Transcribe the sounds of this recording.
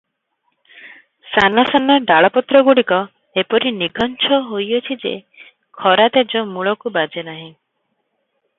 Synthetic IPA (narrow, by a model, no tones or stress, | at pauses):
sanasanɔɖaɭɔpɔt̪ɾɔɡuɽikɔ | epɔɾiniɡɔnt͡ʃʰɔɦojot͡ʃʰid͡ʒḛ | kʰɔɾat̪ed͡ʒɔmuɭɔkubad͡ʒenaɦĩ